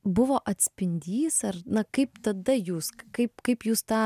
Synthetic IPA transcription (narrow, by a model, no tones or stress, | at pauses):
bʊʋoːʔɐt̪ʲsʲpʲɪnʲd̪ʲiːsɐɾnɐkɐɪpt̪ɐd̪ɐjuːskɐɪpkɐɪpjuːst̪ɑː